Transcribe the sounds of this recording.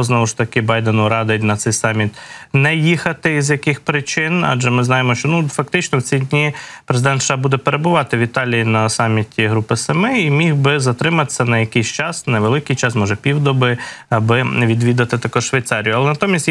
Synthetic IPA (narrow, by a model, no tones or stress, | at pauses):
znɔʋʊʃt̪ɐkɪbɑjd̪enʊɾɑd̪ɪtʲnɐt̪sɛjsɑmʲit̪nɛjixɐt̪ɪizjɐkɪxpɾɪt͡ʃɪnɑ̰d͡ʒɛmɪznɑjemɔʃt͡ʃɔnufɐk̚t̪ɪt͡ʃnɔwt͡sʲidʲnʲipɾezɪd̪ɛnt̪ʃɑbud̪ɛpeɾebʊʋɑt̪ɪʋʲit̪ɑlʲijinɐsɑmʲitʲiɦɾupɪsɐmɪimʲiɣbɪzɐt̪ɾɪmɐt̪ɪ̥sʲːɐnɐjɐkɪsʲt͡ʃɑsnɛʋelˠɪkɪjt͡ʃɑsmɔʒɛpʲiwd̪ɔbɪɐbɪʋʲid̪ʋʲid̪ɐt̪ɪt̪ɐkɔʃʋɐjt̪sɑɾʲijʊɐlˠɛnɐt̪ɔmʲisʲt̪ʲ